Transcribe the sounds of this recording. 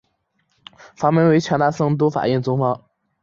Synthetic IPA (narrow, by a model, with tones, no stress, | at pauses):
fa˧˥mə˧˥nwe˧˥ɪt͡ɕʰɑ˧˥ŋt̪a˥sɤ˥˩ŋt̪u˥fa̰˨˩ɛ˥˩nt͡sʊ˥ŋfɑ˥ŋ